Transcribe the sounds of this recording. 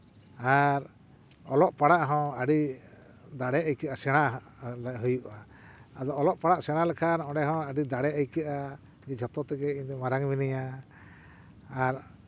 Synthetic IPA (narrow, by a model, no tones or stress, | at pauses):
aɾ | ɔlɔʔpaɽaʔɦɔ̃aɽi | d̪aɽɛəjkɛʔasɛɽ̃a | lɦujuʔa | ad̪ɔɔlɔʔpaɽaʔsɛɽ̃alɛkʰanɔ̃ɖɛɦɔ̃aɖid̪aɽɛəjkɛʔa | d͡ʒɛd͡ʒʱɔt̪ɔt̪ɛɡɛiɲd̪ɔmaɾaŋminija | ɾ